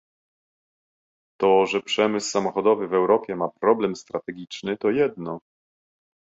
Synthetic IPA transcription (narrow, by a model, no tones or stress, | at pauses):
t̪ɔʐɛpʂɛmɘsːamɔxɔd̪ɔvɘvɛwɾɔpʲjɛmapɾɔblɛmst̪ɾat̪ɛɡʲit͡ʂnɘt̪ɔjɛd̪nɔ